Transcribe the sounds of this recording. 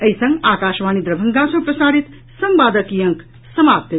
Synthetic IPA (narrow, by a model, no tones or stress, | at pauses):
əisə̃ŋɡaːkaːʃʋaːnid̪ɾɐbʱəŋɡasɐ̃ŋpɾɐsaːɾit̪ | sɐmbaːd̪əkijɐ̃ŋk | sɐmap̚t̪e